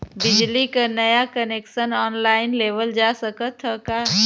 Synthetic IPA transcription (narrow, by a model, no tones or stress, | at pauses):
bɪd͡ʒlikanəjakəneːkʃənɔːnlaːɪnleːʋəld͡ʒaːsəkət̪ɦəkaː